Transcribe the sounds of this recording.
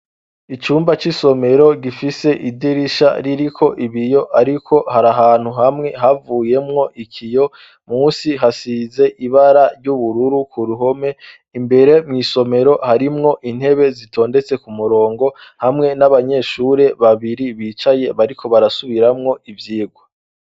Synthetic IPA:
it͡ʃuːmbat͡ʃiso̞me̞ɾo̞ɡifise̞ʔidiɾiʃa̰ɾiɾikʰo̞ʔiβijo̞ʔaɾikʰo̞haɾaɦaːn̥huɦamŋe̞ɦavuːje̞mŋo̞ʔikʰijo̞ | muːnsiɦasiːze̞ʔiβaɾaɾɟuβuɾuɾukʰuɾuɦo̞me̞ | imbe̞ɾe̞mŋiːso̞me̞ɾo̞haɾimŋo̞ʔin̥he̞βe̞zitʰo̞ːnde̞t͡se̞kumuɾo̞ːŋɡo̞hamŋe̞naβaɲe̞ːʃuɾe̞βaβiɾiβiːt͡ʃaje̞βaɾikʰo̞βaɾasuβiɾamŋo̞ivjiːɡwa

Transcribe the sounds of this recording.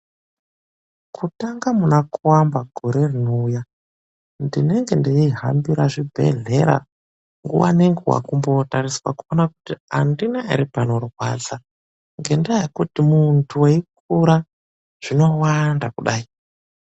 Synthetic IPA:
kʰutaŋɡamunakuwambaɡʱoɾe̞rino̞uja | ndine̞ŋɡe̞ndeiɦa̰mbiɾaʐibʱe̞̰ɮe̞ɾa̰ | ŋɡuwa̰neŋɡewa̰kumbo̞tariswa̰kuonakutia̰ndinaiɾipano̞rwa̰d͡za | ŋɡendajekutimuntʰuweik̚ | uɾa | ʐ̥ino̞wandakuɗaːi

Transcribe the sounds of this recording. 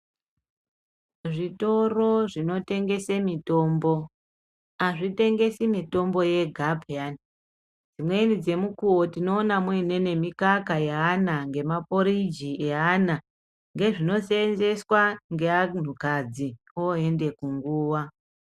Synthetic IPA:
ʐito̞ro̞ʐino̞te̞ŋɡe̞semito̞mbo | aʐite̞ŋɡe̞simito̞mbo̞je̞ɡʱabʱian | d͡zimwe̞inid͡ze̞mukuotino̞ːnamuine̞ne̞mikakajeanaŋɡe̞mapo̞ɾid͡ʒiʔeana | ŋɡe̞ʐino̞senze̞swaŋɡe̞an̤ukad͡zi | oe̞nde̞kuŋɡuːwa

